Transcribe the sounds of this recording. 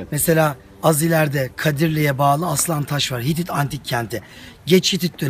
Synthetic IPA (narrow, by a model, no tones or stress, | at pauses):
mɛse̞lʲaː | azilʲæɾd̪ɛkʰad̪iɾlʲejɛbaːlˠɯaslˠant̪ʰaʃvaɾɦit̪̬it̪ʰant̪ʰicʰːɛnt̪ʰɪ | ɟɛt͡ʃhit̪it̪̚ːø